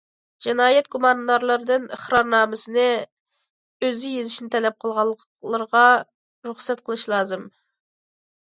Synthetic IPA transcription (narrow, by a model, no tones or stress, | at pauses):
d͡ʒinɑːjɛt̪̚ɡumɑnd̪ɑɾlˠɑɾd̪ɨnəχɾɑɾnɑːmɪsɨnɪ | øzɪjezɪʃnɪt̪ʰɛlɛp̚qʰəlˠʁɑlˠː | lˠəɾʁɑ | ɾuχsɛt̪qʰəlˠɨʃlˠɑːzɨm